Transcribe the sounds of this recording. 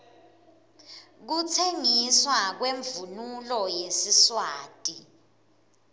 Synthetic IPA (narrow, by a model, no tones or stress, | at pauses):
k̬utʰeŋiswak̬weɱvunulɔjesiswaːtʼi